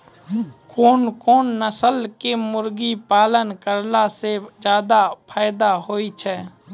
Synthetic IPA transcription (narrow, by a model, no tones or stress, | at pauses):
koːnkoːnːəsəlkemʊɾɡipaːlənkəɾlased͡ʒjaːd̪apʰaːɪd̪aɦoːit͡ʃʰɛː